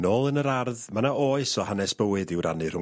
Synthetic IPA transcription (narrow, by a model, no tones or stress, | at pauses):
noːlˠənəɾarðmanaoːɨsɔhanɛsb̥əwɨðɪwɾʔanɨr̥ʊ